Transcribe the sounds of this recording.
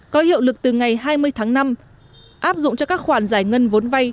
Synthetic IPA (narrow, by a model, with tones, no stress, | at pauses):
kɔ˨˦hḭ˧˨əwlɨ˨˩k̚t̪ɨ˨˩ŋa˨˩jɦaː˧jmɨ˧əjt̪ʰaː˨˦ŋna˧m | ʔaː˦˥p̚zʊ̰˧˨ŋ͡mt͡ɕɔ˧kaː˦˥k̚xwaː˧˩nzaː˧˩jŋə˧nvo˨˦nva˧j